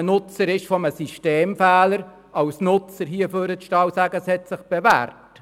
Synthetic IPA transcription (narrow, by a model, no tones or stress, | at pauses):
nʊt͡səɾɪʃfɔməsiʃteːmfæːləɾ | ɑʊsnʊt͡səɾɦiəføːɾətʃtɑːwsæɡəshɛtsɪχb̥evæ̰ːrt